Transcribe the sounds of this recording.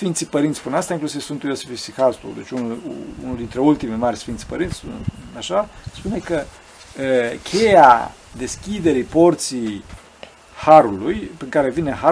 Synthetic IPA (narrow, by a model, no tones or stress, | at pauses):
sfint̪sipəɾint̪sspuneast̪aiŋklusivsunt̪ujosefisixast̪ṵd̪e̞t͡ʃunṵnuld̪int̪ɾe̞ult̪imemarʲsfint̪si̥pəɾint̪sʲsunaʃaspune̞kə | əkʲʰe̞ja | d̪e̞skʲid̪e̞ɾipo̞rt̪sij | haɾulujpɾiŋkaɾe̞vine̞ɦa